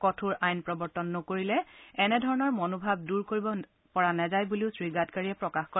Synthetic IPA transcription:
kɔtʰuɹajnpɹɔbɔɹtɔnːokoɹilɛɛnɛdʱɔɹɔnɔɹmɔnobʱab̚duɹkoɹibɔ | pɔɹanɛzajbuliʊsɹiɡatkaɹiɛpɹɔkaxkɔ

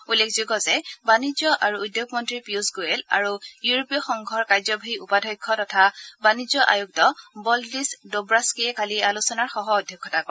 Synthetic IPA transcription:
ulːekʰzuɡɔzɛbanizjɔʔaɹuːdjoɡmɔntɹipiusɡoɛla̰ɹujuɹopijɔxɔŋɡʱɔɹkaɹzɔbʱaiupadʱɔjkʰːɔtɔtʰabanizɔʔa̰juk̚tɔbɔldisdobɹaskiɛkalialusɔnaɹxɔɦɔːdʱjɔkʰːɔtakɔ

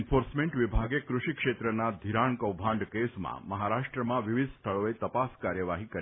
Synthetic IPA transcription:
nfoɾsmẽɳʈʋibʱaɡekɾuʃikʂet̪ɾənad̪ʱiɾaɳkəwbʱãɳɖkesmã̰məɦaɾaʂʈɾəmãʋiʋid̪st̪ʰəɭoet̪əpaskaɾjəʋaɦikəɾ

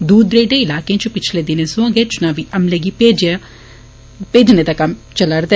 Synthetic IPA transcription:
d̪uːd̪ɾeːɖeɪlaːkeãt͡ʃupɪt͡ʃʰleːd̪ɪnẽsõãɡeːt͡ʃʊnãːʋiʔɐmleɡipeːd͡ʒa | peːd͡ʒned̪aːkɐmt͡ʃələɾd̪e

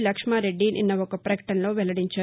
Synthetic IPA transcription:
lɐkʂmaːɾeɖːinʔḭnːɐɔkɐpɾɐkɐ̥ʈɐnlo̞ːʋɛlɐɽiɲt͡ʃaː

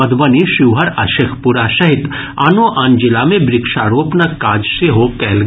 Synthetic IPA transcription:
ɐd̪bɐniʃɪʋɦɐɾaʃekʰpuɾaʃɐɦɪt̪ | a̰ːnoʔãːnd͡ʒɪlamẽbɾɪkʃaːɾoːpnakaːd͡ʒseɦokɛːl

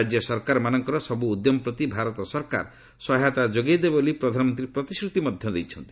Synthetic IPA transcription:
ad͡ʒjɔsɔɾkaɾmanɔŋkɔɾɔsɔbuːd̪jɔmɔpɾɔt̪ibʱaɾɔt̪ɔsɔɾka̰ɾ | sɔɦat̪ad͡ʒoɡed̪ebolipɾɔd̪ʱanɔmɔnt̪ɾipɾɔt̪iskɾut̪imɔd̪ʱjɔd̪ejt͡ʃʰɔnt̪i̥

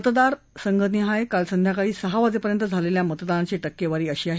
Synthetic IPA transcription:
ət̪d̪aɾ | səŋɡʱət̪niɦajkalsənd̪ʱjakaɭiːsəɦaʋad͡zepəɾjənt̪əd͡zʱaleljamət̪d̪aɾat͡ɕeʈəkːeʋaɾiːəɕiːaɦe

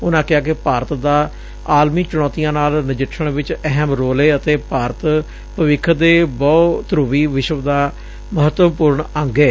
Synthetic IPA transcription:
ʊnãːkɪaːkɪpaːɾət̪d̪aː | aːlmiːt͡ʃʊɽ̃ɔːt̪ijãːnaːlnɪd͡ʒɪʈʰːəɳʋɪt͡ʃɛɦɛmɾoːleːət̪eːpaːɾət̪ | pəʋɪkʰːd̪eːbɔːt̪ɾʊʋiːʋɪʃəʋd̪aː | məɦət̪əpuːɾɳə̃ŋɡeː

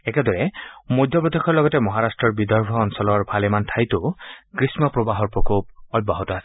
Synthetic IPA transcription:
ɛkɛdɔɹɛmojdʱɔbɔd̪ʱexʰɔɹlɔɡɔtɛmɔɦaɹastɹɔɹbidɔɹbʱɔːnsɔlɔɹbʱalɛmantʰajtʊkɹismɔpɹobaɦɔɹpɹokop̚ɔjbaɦɔtɔasɛ̥

